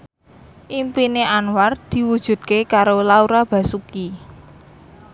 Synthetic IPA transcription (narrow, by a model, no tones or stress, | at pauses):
ʔimpineʔanwar̚d̪̥i̤wud̥ʒ̥ṳd̪̚kekaɾolauɾab̥ä̤suki